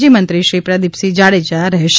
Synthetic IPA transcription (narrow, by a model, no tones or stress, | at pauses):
d͡ʒimənt̪ɾiʃɾipɾad̪ipsid͡ʒaɽed͡ʒaɾəɦʃ